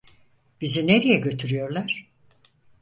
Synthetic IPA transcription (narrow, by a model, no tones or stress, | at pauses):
b̥izineɾijɛɟø̞t̪ʰyɾyjo̞ɾlˠaɾ̥